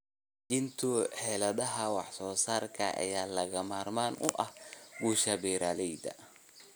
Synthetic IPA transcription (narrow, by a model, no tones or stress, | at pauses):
d͡ʒɪnt̪ʰʊħɛːlɐðɐɦɐwɑħsɔːsaːrkʰɐ̰ʔɐ̰jaːlɐɣɐmaːrmaːnʊʔɐhɡuːʃɐbɛːɾaːlɛjd̪ɐ̰